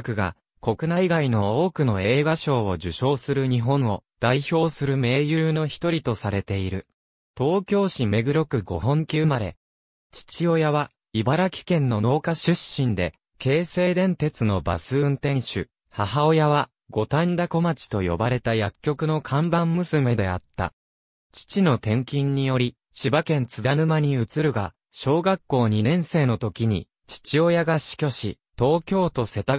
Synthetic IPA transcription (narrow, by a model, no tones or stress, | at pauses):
kɯ̟ɡa̰ | ko̞kɯ̟naiɡaino̞oːkɯ̟no̞e̞ːɡaɕo̞ːoʑɨɕo̞ːsɨɾɯ̟ɲ̟iɦõ̞ɰ̃o̞d̪̥aiço̞ːsɨɾɯ̟me̞ːjɯːno̞çi̥t̪o̞ɾʲit̪o̞saɾe̞t̪e̞iɾɯ̟ | t̪o̞ːkʲo̞ːɕime̞ɡɯ̟ɾo̞kɯ̟ɡo̞ɦõ̞ŋkʲɨːmaɾe̞̰ | t͡ɕi̥t͡ɕio̞jaβa | ibaɾakʲi̥kẽ̞nːo̞no̞ːkaɕɨɕːĩnd̪e̞ | ke̞ːse̞ːd̪ẽ̞nt̪e̞t͡sɨno̞ba̰sɨɯ̃nt̪ẽ̞ɰ̃ɕɨ̰ | haɦao̞jaβa | ɡo̞t̪and̪ako̞mat͡ɕi̥t̪o̞jo̞̰baɾe̞t̪ajakʲːo̞kɯ̟no̞kʰãmbãmːmɯ̟sɨme̞d̪e̞a̰t̪ːa̰ | t͡ɕi̥t͡ɕino̞t̪ẽ̞ŋkʲĩɲ̟ːijo̞ɾʲi | ɕibakẽ̞nt͡sɨd̪anɯ̟maɲ̟iɯ̟t͡sɨɾɯ̟ɡa | ɕo̞ːɡakːo̞ːɲ̟inẽ̞ɰ̃se̞ːno̞t̪o̞kʲiɲ̟ḭ | t͡ɕi̥t͡ɕio̞jaɡaɕi̥kʲo̞ɕi | t̪o̞ːkʲo̞ːt̪o̞se̞t̪a